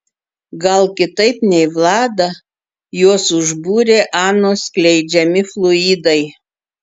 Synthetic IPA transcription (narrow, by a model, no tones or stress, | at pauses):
ɡɐlˠkʲɪt̪ɐɪpnʲɛɪʋlˠɑːd̪ɐ | juɔsʊʒbuːɾʲeːʔɑːnoːsklʲɛɪd͡ʒʲɛmʲɪflˠʊiːd̪ɐɪ